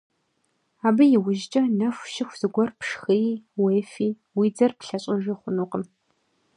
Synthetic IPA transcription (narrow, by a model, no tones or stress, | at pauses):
aːbɐjɪwʊʒt͡ʃʼɐnɐfʷʃɪxʷz̥ɨɡʷɔrpʂxɨjweːfiː | wiːd͡zɐrpɬɐɕʼɪʒiχʷʊnuːqəm